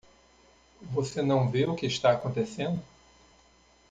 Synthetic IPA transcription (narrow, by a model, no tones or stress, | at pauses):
vosenɐ̃w̃veʊkɪːʃt̪aakõnt̪esẽnd̪ʊ